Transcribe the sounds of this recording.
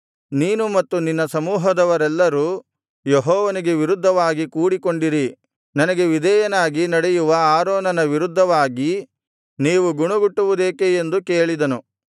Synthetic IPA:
niːnumɐt̪ːuninːɐsɐmuːɦɐd̪ɐʋɐɾɛlːɐɾuː | jeɦɔːʋɐniɡe̞ʋiɾud̪ʱːɐʋaːɡikuːɽiko̞ɳɖiɾi | nɐnɐɡe̞ʋid̪ɛjɐnaːɡinɐɽejuʋɐaːɾoːnɐnɐʋiɾud̪ʱːɐʋaːɡi | niːʋuɡuɳuɡuʈːuʋud̪eːkeend̪ukeːɭid̪ɐnu

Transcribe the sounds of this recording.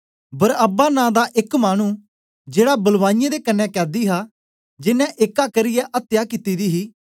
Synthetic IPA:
bəɾəbaːnãːd̪aːʔɪkmaːɽ̃ũː | d͡ʒeːɽaːbɐlʋãːnɪjãd̪eːkənːɛ̃ːkɛːd̪iːɦaː | d͡ʒɪnːɛ̃ʔɪkaːkəɾɪjɛːʔət̪ːjaːkɪt̪iːd̪iːɦiː

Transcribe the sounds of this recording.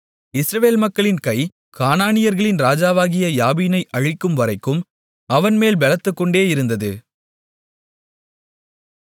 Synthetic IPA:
ɪsɾɐʋeːlmɐkːɐɭɪnkɐɪ | kaːnaːnɪjɐɾɣɐɭɪnɾaːd͡ʒaːʋaːɣɪjɐjaːbiːnɐɪʔɐɻɪkːɯmʋɐɾɐɪkːɯm | ɐʋɐnmeːlbɛlɐt̪ːɯkːɔɳɖeːɪɾɯnd̪ɐðɯ

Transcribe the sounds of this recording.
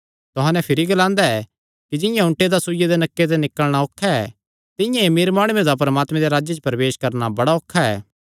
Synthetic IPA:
t̪ʊɦãnɛpʰɪɾiɡɐlãːnd̪aɛ | kid͡ʒɪjãʊ̃ɳʈed̪asujed̪enɐkːet̪ɛnɪkəɭɽ̃aokʰːaɛ | t̪ɪ̃jãemeːɾmaːɽ̃ued̪apɐɾɐmaːt̪mɛ̃d̪eɾaːd͡ʒet͡ʃəpɾɐʋeːʃkɐɾnabɐɽaoːkʰːaɛ̰ː

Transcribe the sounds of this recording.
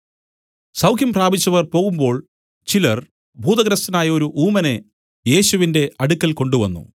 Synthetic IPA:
sɐwkʰjimpraːbit͡ɕːɐʋɐrpo̞ːɣumbo̞ːɭ | t͡ɕilɐr | bʱuːd̪ɐɡɾɐst̪ɐnaːjɐo̞ɾuʔuːmɐne̞ | je̞ːɕuʋinde̞ʔɐɽukːɐlko̞ɳɖuʋɐ̰nːṵ

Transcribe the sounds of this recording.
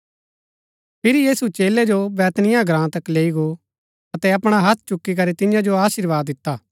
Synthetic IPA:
pʰɪɾijiːsut͡ʃeːled͡ʒobɛːt̪nɪjãɡɾãːt̪ɐkleːiɡo | ɐt̪ɛɐpɽ̃aɦɐt̪ʰt͡ʃʊkːik̬ɐɾet̪ɪjãd͡ʒoaːʃiɾʋaːd̪ːɪt̪ːaː

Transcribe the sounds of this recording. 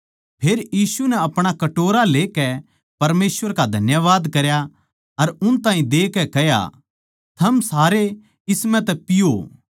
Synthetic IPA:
pʰeːɾjiːsunɛɐpɽ̃akɐʈoːɾaleːkɛ | pɐɾmeːsʋəɾkad̪ʱɐnjəʋaːd̪kɐɾja | ɐɾʊnt̪ãːĩd̪eːkɛkɛɦja̰ | t̪ʰɐmsaːɾe | ɪsmɛ̃t̪̬ɛpɪjo

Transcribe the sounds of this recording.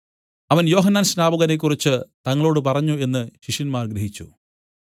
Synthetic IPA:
ɐʋɐnjo̞ːɦɐnːaːnɕnaːbɐɣɐnek̬ːurit͡ɕːɨt̪ɐŋːɐɭo̞ːɽɨp̬ɐrɐɲːue̞nːɨɕiʂjɐnmaːrɡɾeɦit͡ɕːṵ

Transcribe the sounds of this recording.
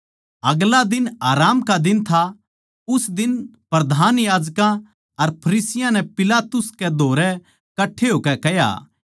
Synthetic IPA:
ɐɡlad̪ɪnaːɾaːmkad̪ɪnt̪ʰa | ʊsd̪ɪnpɾɐd̪ʱaːnjaːd͡ʒkã | ɐɾpʰɐɾiːsɪjãnɛ̃pɪlaːt̪ʊsked̪ʱoːɾɛ | kɐʈʰːeɦoːkɛkɛja̰

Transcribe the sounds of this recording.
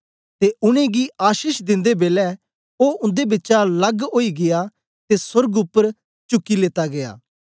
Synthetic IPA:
t̪eʔʊɽ̃ẽɡiaːʃiːʃd̪ɪ̃nd̪ebeːlɛ | oːʊ̃nd̪ebɪtːʃalɐɡoːiɡɪja | t̪esʊɾɡʊpːəɾ | t͡ʃʊkːileːt̪aɡea̰ː

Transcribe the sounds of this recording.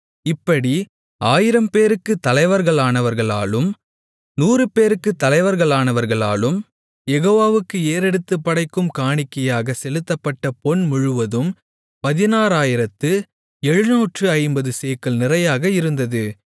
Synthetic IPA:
ɪpːɐɽi | aːjɪɾɐmpeːɾɯkːɯt̪ːɐlɐɪʋɐɾɣɐɭaːnɐʋɐɾɣɐɭa̰ːlɯm | nuːrɯpeːɾɯkːɯt̪ːɐlɐɪʋɐɾɣɐɭaːnɐʋɐɾɣɐɭa̰ːlɯm | jɛɣoːʋaːʋɯkːɯeːɾɛɽɯt̪ːɯpːɐɽɐɪkːɯmkaːɳɪkːɐjaːɣɐsɛlɯt̪ːɐpːɐʈːɐpɔɳmʊɻʊʋɐðɯm | pɐðɪnaːɾaːjɪɾɐt̪ːɯ | ɛɻɯnoːʈrɯɐɪmbɐðɯseːkɐɭnɪrɐjaːɣɐɪɾɯnd̪ɐðɯ

